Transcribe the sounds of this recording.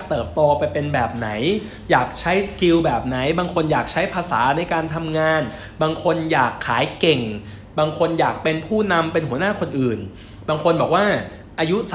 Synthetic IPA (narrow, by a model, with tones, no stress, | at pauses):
k̚t̪ɤː˨˩t̪̚t̪ɔː˧pa˧jpe˧nbɛː˨˩p̚na˩˦j | jaː˨˩k̚t͡ɕʰa˦˥jski˧wbɛː˨˩p̚na˩˦jbaː˧ŋkʰo˧njaː˨˩k̚t͡ɕʰa˦˥jpʰaː˧sa̰ː˩˦na˧jkaː˧nt̪ʰa˧mŋaː˧n | baː˧ŋkʰo˧njaː˨˩kʰːaː˩˦jke˨˩ŋ | baː˧ŋkʰo˧njaː˨˩k̚pe˧npʰuː˥˩na˧mpe˧nɦu˩˦ənaː˥˩kʰo˧nʔɯː˨˩n | baː˧ŋkʰo˧nbɔː˨˩k̚waː˥˩ | ʔaː˧ju˦˥s